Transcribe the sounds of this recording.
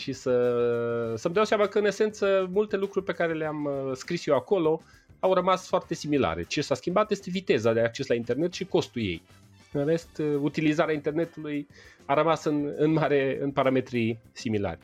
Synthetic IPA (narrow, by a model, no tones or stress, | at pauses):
ʃisə | səmd̪awseamakəɨne̞se̞nt̪səmult̪e̞lukɾurʲpe̞kaɾe̞leamskɾisjewako̞lo̞ | awrəmasfoart̪e̞simila̰ɾḛt͡ʃe̞saskʲimbat̪je̞st̪e̞vit̪e̞zad̪eak̚t͡ʃe̞slaint̪e̞rne̞t̪ʃiko̞st̪ulje̞̰j | ɨnre̞st̪ut̪ilizaɾeaint̪e̞rne̞t̪uluj | aɾəmasɨnɨnmaɾeɨnpaɾame̞t̪ɾisimila̰rʲ